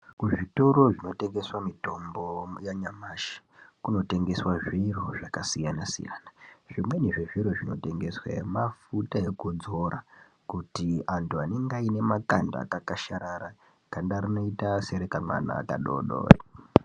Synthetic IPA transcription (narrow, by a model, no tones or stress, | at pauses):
kuʐito̞ɾo̞ʐino̞te̞ŋɡe̞swamito̞mbo̞jaɲamaːʃi̥kuno̞te̞ŋɡe̞swaʐiroʐakasijanasḭja̰ːnaʐimwe̞neʐiʐiɾoʐino̞̰te̞ŋɡe̞swa̰emafutaekud͡zo̞ɾa | kutiantuane̞ŋɡaine̞makanda̰kakaʃaɾaɾa | kandarino̞itaseɾekanwa̰na̰ːkaɗo̰ɗo̰ːri